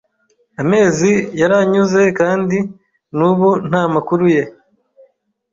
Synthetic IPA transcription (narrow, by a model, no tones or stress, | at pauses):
ame̞ːzijaɾaɲuze̞kaːndi | nuβun̥haːmakuɾuje̞